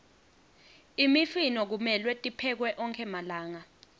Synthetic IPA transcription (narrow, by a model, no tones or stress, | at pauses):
imifinɔk̬umɛlwɛtʼipʰɛk̬wɛʔɔŋkʰɛmalaːŋa